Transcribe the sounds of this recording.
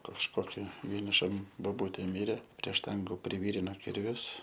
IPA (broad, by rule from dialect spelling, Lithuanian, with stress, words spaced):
kɐʃˈkoːkʲɪ ʋʲiɛnʲɪˈʃɐm boːˈbʊtʲeː ˈmʲɪrʲeː pʲrʲiɛ ˈʃtɐŋɡʊ pʲrʲɪʋʲiːrʲɪnoː ˈkʲɪrʲʋʲʊs